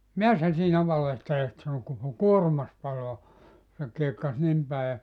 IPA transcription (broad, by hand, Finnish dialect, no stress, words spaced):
miæs sæ siːnæ ʋɑlehtelet sɑno koko kuorŭmɑs pɑloɑ se kiekːɑs nim pæˑi jɑ